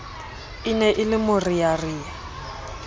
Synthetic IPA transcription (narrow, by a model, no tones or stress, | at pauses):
inɛʔɪlɪmʊrijariːɛ